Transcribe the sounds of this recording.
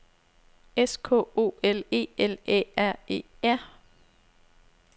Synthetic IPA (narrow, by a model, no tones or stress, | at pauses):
eskʰo̰ːo̝̰ːele̝̰ːelḛæɐ̰e̝̰ː | æɐ̰